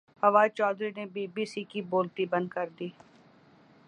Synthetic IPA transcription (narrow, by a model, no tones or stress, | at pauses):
hɐʋaːt͡ʃɔːd̪ɾinebiːbiːsikiboːlt̪ibɐ̃nd̪kəɾd̪iː